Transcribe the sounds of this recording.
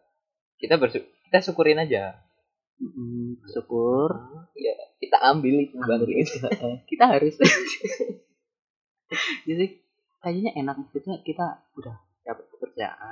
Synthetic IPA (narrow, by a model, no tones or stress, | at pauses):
kit̪abərsukit̪asukuɾɪnad͡ʒa | m̩bərsukʊrjakit̪aʔambɪlit̪ubaŋd | kit̪aɦaɾʊs | d͡ʒisi | kad͡ʒiɲaʔenak̚kut̪ɲakit̪a | udah | d͡ʒapat̪̚kəpərt͡ʃaja̰ʔa